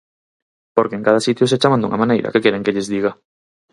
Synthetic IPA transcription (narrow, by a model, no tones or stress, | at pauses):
poɾkeːŋkað̞asit̪jʊset͡ʃamãnd̪ṵŋamãnejɾa̰kekeɾeŋkeʎɪzðiɣa